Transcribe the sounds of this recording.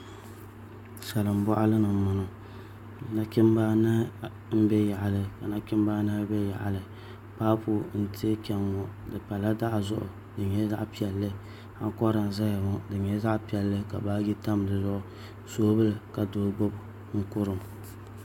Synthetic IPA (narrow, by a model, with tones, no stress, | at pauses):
sa˨lɨ˨m˦bɔ˦ʔa˦lɨ˦nɨ˨mʊ˨nʊ˨˦ | na˦kɪ˦m˦baː˦na˦ | m̩˦bɛ˦ja˨ʔa˨lɨ˨ka˨na˦kɪ˦mbaː˦na˦bɛ˦ja̰˨ʔa˨lɨ˨ | paː˦pʊ˨n̩˦ti˦e˦kɛ˦ŋɔ˨dɨ˨pa˨la˦da˦ʔzʊ̰˦ʔʊ̰˨ | dɨ˨ɲɛ˦za˦ʔpi˦ɛ˨lːɨ˦ | ha̰˦ŋ˦kɔ˦ɾa˨n˨za˦ja˨mʊ˦dɨ˨ɲɛ˦za˦ʔpi˦ɛ˨lːɨ˦ka̰˨baː˦ɡi˦ta˦m˨dɨ˨zʊ˦ʔʊ˦ | soː˦bɨ˦lɨ˨ka˨doː˨˦ɡ͡bo˦bʊ˨ | ŋ̩˦kʊ˦ɾɨ˨m˨